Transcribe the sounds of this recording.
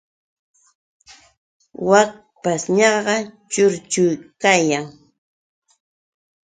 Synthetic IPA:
wak̚ | pasɲɑɢɑt͡ʃʊɾt͡ʃʊjkajaŋ

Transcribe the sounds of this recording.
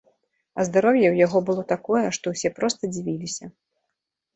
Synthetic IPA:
ɐzd̪aɾɔwjɛwjaɣɔbɨlˠɔt̪akɔjɛʂt̪ɔwsʲɛpɾɔst̪ɐd͡zʲivʲilʲisʲɐ

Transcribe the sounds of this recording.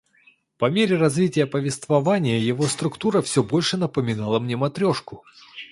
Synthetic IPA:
pɐmʲeɾʲɪrɐzvʲitʲɪjəpəvʲɪst̪vɐvanʲɪjəjɪvo̞st̪ɾʊkt̪uɾəfsʲɵbo̞lʲʂɨnəpəmʲɪnalˠəmnʲe̞mɐt̪ɾʲo̞ʂkʊ

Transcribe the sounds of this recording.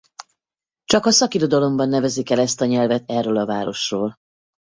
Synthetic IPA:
t͡ʃɒkɒsɒkiɾo̞d̪ɒlo̞mbɒnːɛvɛzikɛlɛst̪ɒɲɛlvɛt̪ɛrːøːlɒvaːɾo̞ʃroːl

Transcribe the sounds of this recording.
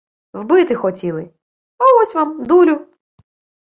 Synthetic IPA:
wbɪt̪ɪxɔtʲilˠɪ | ɔɔsʲʋamd̪ulʲʊ

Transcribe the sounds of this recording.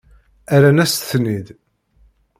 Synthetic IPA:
æɾænæsθnið

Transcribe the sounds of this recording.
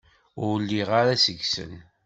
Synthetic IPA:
ʊɾlːiʁaɾasəʝsə̰n

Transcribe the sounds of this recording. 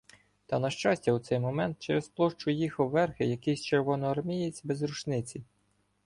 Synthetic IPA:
t̪ɐnɐʃt͡ʃɑsʲtʲɐwt̪sɛjmɔmɛnt̪̚t͡ʃɛɾesplˠɔʃt͡ʃʊjixɐwːɛrxɪjɐkɪjsʲt͡ʃerʋɔnɔɐrmʲijet͡sʲbezɾut͡ʃnɪt͡sʲi

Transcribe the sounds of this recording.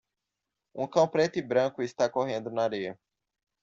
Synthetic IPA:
ũkɐ̃w̃pɾɛt̪ɪbɾɐ̃kʊɪst̪akoɦẽnd̪ʊnaɾejɐ

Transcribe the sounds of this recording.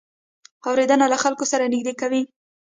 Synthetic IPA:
awɾed̪ənalaxalkosaɾanɪɡ̚d̪ekawi

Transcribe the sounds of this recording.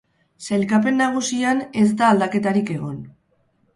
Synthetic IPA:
sejlkap̬e̞nːaɣ̞usiane̞zd̪aːld̪ake̞t̪aɾike̞ɣ̞o̞n

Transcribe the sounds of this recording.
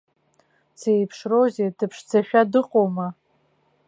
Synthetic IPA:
t͡sejpʰʂrozedɨpʰʂd͡zaʃᶣadɨqʼoma

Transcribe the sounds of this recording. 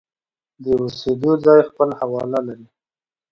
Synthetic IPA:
d̪əused̪od͡zɑjxpəlhawɑlalaɾi

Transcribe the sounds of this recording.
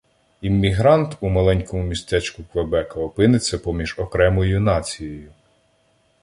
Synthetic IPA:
imʲːiɦɾɑnt̪umɐlˠɛnʲkɔmʊmʲist̪ɛt͡ʃkʊkʋebɛkɐɔpɪnɪt͡sʲːɐpɔmʲiʒɔkɾɛmɔjʊnɑt͡sʲijejʊ

